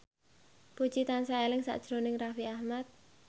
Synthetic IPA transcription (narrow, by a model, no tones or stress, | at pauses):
pu̥t͡ʃit̪ansaelɪŋsa̰ʔd̥ʒ̥ɾonɪŋrafiahmat̪̚